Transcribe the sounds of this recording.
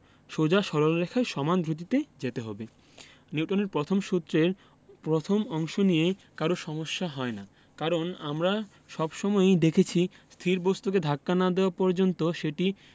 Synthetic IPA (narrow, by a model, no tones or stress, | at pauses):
ʃod͡ʑaʃɔɾolɾekʰaeʃɔmand̪ʱɾot̪̬it̪ed͡ʑet̪eɦɔbe | niwʈʰoneɾpɾot̪ʰomʃut̪ːɾeɾ | pɾot̪ʰomɔŋʃonijekaɾoʃɔmoʃːaɦɔena | kaɾonamɾa | ʃɔbʃɔmɔed̪ekʰet͡ɕʰist̪ʰiɾbost̪uk̬ed̪ʱakːanad̪eoapɔɾd͡ʑont̪oʃeʈi